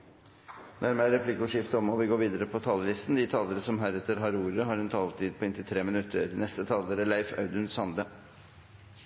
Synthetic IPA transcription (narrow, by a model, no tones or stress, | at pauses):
næɾmeæɾɛpʰlɪkʊʂɪft̪əɔmɔʋɪɡoːɾʋiːd̪əɾəpʰɔt̪ʰɑːləlɪst̪n̩d̪ɪt̪ʰɑːləɾəsɔmɦæɾɛt̪əɾɦɑɾuːɾəɦɑːɾɛnt̪ʰɑlt̪ʰiːd̪̚pʰɔɪnt̪ɪt̪ʰɾeːmɪnʉt̪ʰːəɾnɛst̪ət̪ʰɑːləɾəlæɪfɑ̰ʉd̪ənsɑnd̪ə